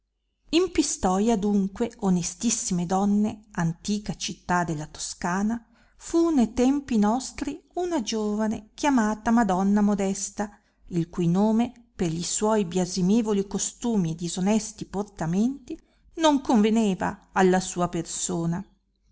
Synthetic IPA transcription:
impist̪ɔːjad̪uŋkweonest̪isːimed̪ɔnːeant̪iːkat͡ʃit̪ːad̪elːat̪o̥skaːna | funejt̪ɛmpinɔst̪ɾiunad͡ʒoːvanḛkʲjamaːt̪amad̪ɔnːamod̪ɛst̪a | ilkujnoːme | perʎiswɔjbjazimeːvolikost̪uːmied̪izonɛst̪iport̪ament̪i | noŋkoɱveneːva̰ːlːasuːapersoːna

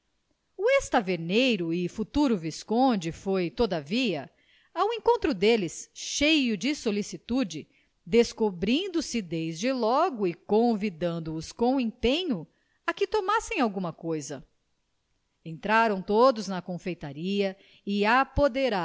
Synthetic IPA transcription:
uest̪aveɾnejɾʊɪfut̪uɾʊviskõd͡ʒɪfojt̪od̪aviɐ | awẽŋkõnt̪ɾʊd̪elɪsʃejʊd͡ʒɪsolisit̪ud͡ʒɪ | d̪eskobɾĩnd̪ʊsɪd̪ezd͡ʒɪlɔɡʊɪkõvid̪ɐ̃nd̪ʊːskõw̃ẽpẽɲʊ | ɐkɪt̪omasẽj̃awɡũmɐkojzɐ | ẽnt̪ɾaɾɐ̃w̃t̪od̪ʊznɐkõfejt̪aɾiɐ | ɪapod̪eɾa

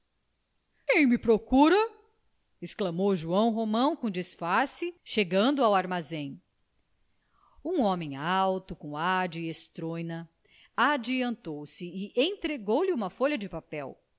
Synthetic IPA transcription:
kẽj̃mɪpɾokuɾɐ | esklɐmowʒuɐ̃w̃ɦomɐ̃w̃kõd͡ʒisfaɾsɪʃeɡɐ̃nd̪ʊawaɾmazẽj̃ | ũõmẽj̃awt̪ʊkõw̃ad͡ʒɪest̪ɾojnɐ | ad͡ʒiɐ̃nt̪owsɪːʔẽt̪ɾeɡowliũmɐfoʎɐd͡ʒɪpapɛw

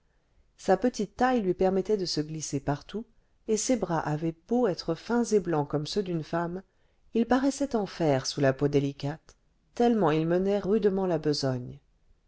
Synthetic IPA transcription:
sapət̪it̪ːajlɥipɛʁmɛt̪ɛd̪əsəɡlisepaʁt̪u | esebʁaʔavɛb̥oɛt̪χəfɛ̃zeblɑ̃kɔmsød̪ynfam | ilpaʁɛsɛt̪ɑ̃fɛʁsulapod̪elikat̪ː | ɛlmɑ̃ilmənɛʁyd̪mɑ̃labəzɔɲ

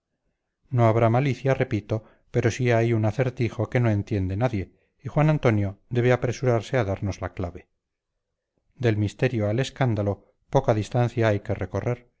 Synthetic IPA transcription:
no̞aβ̞ɾamaliθjare̞pit̪o̞ | pe̞ɾo̞siajunaθe̞ɾt̪ixo̞ke̞no̞e̞nt̪je̞nd̪e̞naðje̞ | ixwanant̪o̞njo̞d̪e̞β̞eapɾe̞suɾaɾse̞aðaɾno̞zla̰klaβe̞ | d̪e̞lmist̪e̞ɾjo̞ale̞skand̪alo̞ | po̞kaðist̪an̟θjaajke̞re̞ko̞re̞ɾ

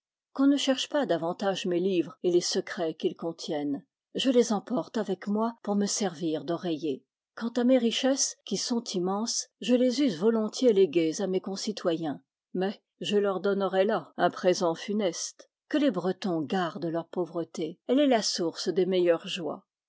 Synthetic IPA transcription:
kɔ̃nəʃɛʁʃpad̪avɑ̃t̪aʒmelivʁelesəkχɛkilkɔ̃t̪ʰjɛn | ʒəlezɑ̃pɔʁt̪avɛkmwapuʁməsɛʁviʁd̪ɔʁeje | kɑ̃t̪ameʁiʃɛskʲisɔ̃t̪imɑ̃sʒəlezyzvɔlɔ̃t̪jeleɡʲezamekɔ̃sit̪wajɛ̃ | mɛ | ʒəlœʁd̪ɔnʁɛlaɛ̃pχezɑ̃fynɛst̪ | kəlebʁət̪ɔ̃ɡaʁd̪əlœʁpovʁət̪eɛlɛlasuʁsd̪emɛjœʁʒwa̰

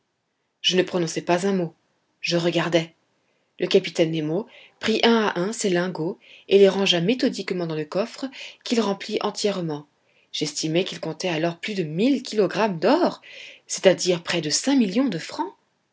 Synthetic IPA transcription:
ʒ̥ənəpχɔnɔ̃sɛpazɛ̃mo | ʒəʁəɡaʁd̪ɛ | lʔəkapit̪ɛnːemopχiʔɛ̃aʔɛ̃selɛ̃ɡoeleʁɑ̃ʒamet̪ɔd̪ikmɑ̃d̪ɑ̃ləkɔfχəkʲilʁɑ̃pliʔɑ̃t̪jɛʁmɑ̃ | ʒ̥ɛst̪ʰimɛkilkɔ̃t̪ɛalɔʁplyd̪əmilkʲʰilɔɡʁamd̪ɔʁse̥t̪ad̪iʁpχɛd̪əsɛ̃miljɔ̃d̪əfχɑ̃

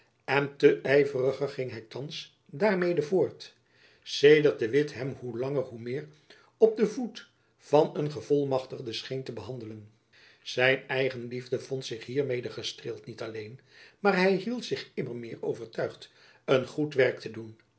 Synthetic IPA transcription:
ɛntəʔɛjvərəχəχɪŋɦɛjtɑns | daːɹmejdəvʊːɹt | sejdəɹt̚dəʋɪtɦɛmhulɑŋərɦumɪːr | ɔp̚dəvut | v̥ɑnənχəvɔlˠmɑχtəχdəsχejntəbəɦɑndələn | z̥ɛjnɛjχənlivdəvɔntsɪχɦiːɹmejdəχəstrɪːlˠtnitɑlejn | maːɹɦɛjɦilˠtsɪχɪmərmɪːɹowvəɹtœɥχt | ənχutʋɛɹk̚tədun

